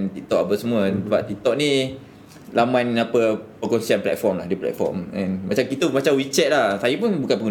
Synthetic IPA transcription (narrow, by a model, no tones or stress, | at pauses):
nt̪it̪ɔʔapəsəmũəsəbaʔ̚t̪ik̚t̪ɔʔ̚nĩ | lamãnapəpəkonsianplɛ̰t̪̚fɔmlahdiplɛ̰t̪̚fɔ̰rmɛnmat͡ʃamkit̪əmat͡ʃamwit͡ʃɛt̪̚lahsajəpunbukanpəɡu